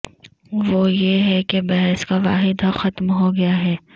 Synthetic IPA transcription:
ʋoːjeɦɛkebɐɦɛskaʋaːɦɪd̪ʱaxɐt̪mɦoɡɐjaɦɛː

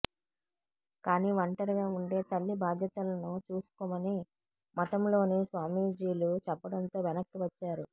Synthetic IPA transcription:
kaːniːʋɐɳʈɐɾɐɡaːuɳɖe̞ːt̪ɐlːibaːd̪ʱjɐt̪ɐlɐnut͡ʃuːsu̥kɔːmɐni | mɐʈɐmlo̞ːneːsʋaːmiːd͡ʒiːlut͡ʃɛpːɐɽɐnt̪o̞ːʋɛnɐkːiʋɐt͡ʃːaːɾu

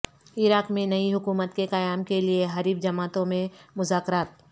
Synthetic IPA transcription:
ɪɾaːkmẽnɐiɦʊkuːmət̪keqɐjaːmkelieɦɐɾiːbd͡ʒɐmaːt̪õmẽmʊzaːkɾaːt̪̚

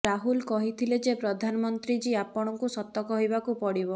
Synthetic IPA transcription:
ɾaɦulkɔɦit̪ʰiled͡ʒepɾɔd̪ʱanɔmɔnt̪ɾid͡ʒiapɔɽ̃ɔŋkusɔt̪ːɔkɔɦjbakupɔɽibɔ

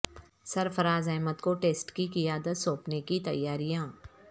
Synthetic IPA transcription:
sɐɾfəɾaːzeːmət̪koʈeːsʈkikɪjaːd̪ət̪soːpnekit̪ɐ̰jːaːɾijãː

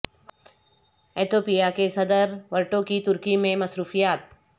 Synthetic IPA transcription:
eːt̪oːpijakesɐd̪əɾʋɐɾʈokit̪ʊɾkimẽmɐsɾuːfijaːt̪̚

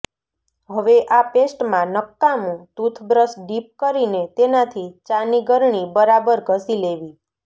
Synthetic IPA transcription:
ɦəʋeʔapesʈmãnəkːamũt̪ut̪ʰbɾəsɖip̚kəɾinet̪enat̪ʰit͡ʃaniɡəɾɳibəɾabəɾɡʱəsileʋi

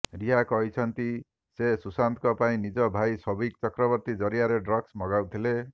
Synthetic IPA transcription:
ɾiɦakɔɦit͡ʃʰɔnt̪i | sesusant̪kɔpaĩnid͡ʒɔbʱajsɔbikt͡ʃɔkɾɔbɔɾt̪id͡ʒɔɾijaɾeɖɾɔɡsmɔɡawt̪ʰile

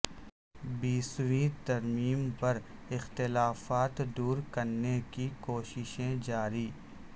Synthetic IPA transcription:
biːsɾĩt̪ɐɾmiːmpɐɾ | ɪxt̪ɪlaːfaːt̪d̪uːɾkɐɾnekikoːʃɪʃẽd͡ʒaːɾiː

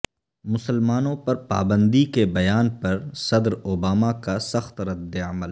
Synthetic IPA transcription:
mʊsəlmaːnõpɐɾpa̰ːbə̃nd̪ikebɐjaːnpɐɾsɐd̪ɾoːbaːmakasɐxt̪ɾɐd̪ːeəməl

